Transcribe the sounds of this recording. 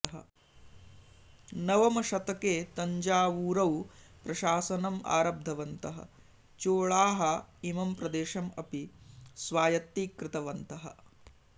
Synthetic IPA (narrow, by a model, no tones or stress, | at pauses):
ɐɦɐ̰ | nɐʋɐmɐʃɐt̪ɐkeːt̪ɐɲd͡ʒaːʋuːɾɐwpɾɐʃaːsɐnɐma̰ːɾɐb̚d̪ʱɐʋɐnt̪ɐɦɐ̰ | t͡ʃoːɭaːɦɐimɐmpɾɐd̪eːʃɐmɐpisʋaːjɐt̪ːiːkɾɪt̪ɐʋɐnt̪ɐɦɐ̰